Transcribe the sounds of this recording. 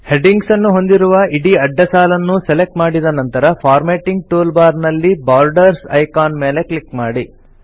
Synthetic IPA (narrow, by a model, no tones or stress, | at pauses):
heɖiŋɡsɐnːuɦo̞nd̪iɾuʋɐiɽiɐɖːɐsaːlɐnːuselek̚ʈmaːɽid̪ɐnɐnt̪ɐɾɐpʰaːɾmeːʈiŋɡ̚ʈoːlbaːɾnɐlːibaːɾɖɐɾsɐ̰jkaːnmeːle̞klikmaːɽi